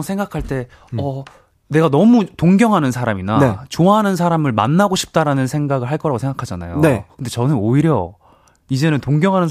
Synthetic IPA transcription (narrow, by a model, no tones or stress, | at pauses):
sʰeŋɡakʰaɭt͈e̞ | ʌ | ne̞ɡanʌmutoŋɡjʌŋɦanɯnsʰaɾaminaet͡ɕoaɦanɯnsʰaɾamɯɭma̰nːaɡoɕʰi̥p̚t͈aɾanɯnsʰe̞ŋɡaɡɯɭɦaɭk͈ʌɾaɡosʰeŋɡakʰad͡ʑana̰joekʰɯnd̥e̞t͡ɕʌnɯnoiɾjʌ̰ | id͡ʑe̞nɯntoŋɡjʌŋɦanɯn